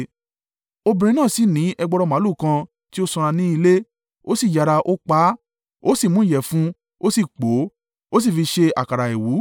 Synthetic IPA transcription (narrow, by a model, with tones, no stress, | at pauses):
o˧bĩ˧ɾ̃ĩ˧nãː˦˨si˨˦nĩ˨˦ɛ˧ɡ͡bɔ˧ɾɔ˧mã˨˦lu˦˨kã˧ | ti˦o˦sɔ̃˧ɾ̃ã˧nĩ˦i˧le˦ | o˦si˦˨d͡ʒa˨ɾa˧ʔo˦k͡pa˨˦ | o˦si˦˨mũ˦jɛ˨fũ˦ | o˦si˦˨k͡po˨˦ | o˦s̬i˦˨fi˧ʃe˧a˨ka˨ɾa˨e˨wu˨˦